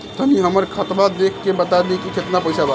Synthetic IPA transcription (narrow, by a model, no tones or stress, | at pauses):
t̪əniɦəməɾkʰət̪bad̪ekʰːebət̪ad̪ekiket̪napəjsaba